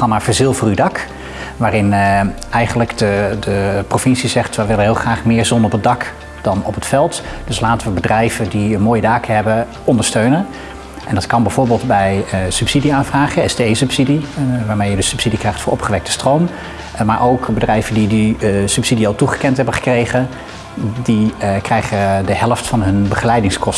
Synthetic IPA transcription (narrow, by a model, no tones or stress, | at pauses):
ɑnavəɹzɪlˠvrydɑk | ʋaːrɪn | ɛjχənləkdədəprofɪnsizɛχtʋəʋɪlənɦɪːlˠχraːχmɪːɹzɔnəɔpədɑk | d̥ɑnɔpətfɛlˠtd̥ɵslaːtəʋəbədrɛjvədiənmoːjədaːkəɦɛbə | ɔndəɹstøɥnən | ʔɛndɑtkɑnbɛjvʊːɹbɪːlˠdbɛjsʉpsidiaːnvraːχəɪsdəejsɵpsidiʋaːɹmejədəsypsidikrɛjχtfʊːɹʔɔpχəʋɛk̚tə̥strowm | maːɹʔowkbədrɛjvəndidisʉpsidiɑlˠtuχə̥kɛntɦɛbəχə̥krejχən | dikrɛjχədəɦɛləftfɑnɦɵnbəχəlɛjdɪŋskɔs